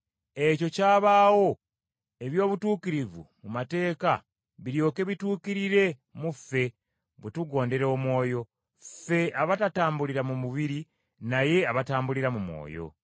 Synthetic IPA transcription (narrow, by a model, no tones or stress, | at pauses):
e̞co̞caːβaːwo̞ | e̞βjo̞ːβutuːkiɾivṵmumate̞ːka | βiɾjo̞ːke̞βituːkiɾiɾe̞ | mufe̞ | βutuɡo̞ːnde̞ɾomwo̞ːjo̞ | fe̞ʔaβatataːmbuliɾamumuβiɾi | naje̞aβataːmbuliɾamumwo̞̰ːjo̞̰